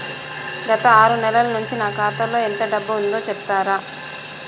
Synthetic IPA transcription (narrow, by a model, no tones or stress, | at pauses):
ɡɐt̪ɐaːɾunɛlɐlɐnuɲt͡ʃinaːkaːt̪ɐlːo̞ːent̪ɐɖɐbːuund̪o̞ːt͡ʃɛp̚t̪aːɾaː